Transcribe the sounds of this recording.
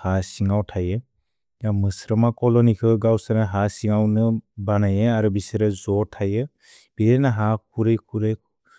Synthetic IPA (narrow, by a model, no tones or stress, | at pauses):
hasiŋawtʰajɯ | jamɯsɾɯmakɔlɔnikʰɯɡawsanaɦasiŋawnɯbanajɯaɾubisɯɾɯzɔtʰajɯ | b̥iɾenaɦakʰuɾɯjkʰuɾɯjkʰu